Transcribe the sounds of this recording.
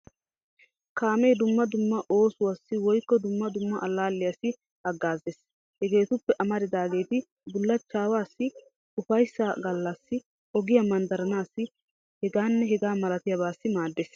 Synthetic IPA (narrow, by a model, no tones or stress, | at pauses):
kaːmɛjd̪ʊmːɐd̪ʊmːɐʔo̞ːsʊwaːsːɪwɔjkːɔd̪ʊmːɐd̪ʊmːɐʔɐlːaːlːɪjasːɪ | ɐɡːaːzeːs | hɛɡe̞ːt̪ʊpːɛʔɐmɐɾɪd̪aːɡe̞ːt̪ɪ | bʊlːɐt͡ʃːaːwaːsːɪ | ʊfɐjsːaɡɐlːɐsːɪ | ɔɡɪjɐmɐnd̪ɐɾɐnaːsːɪ | hɛɡaːnːɛɦɛɡaːmɐlɐt̪ɪjɐbaːsːɪmaːd̪ːeːs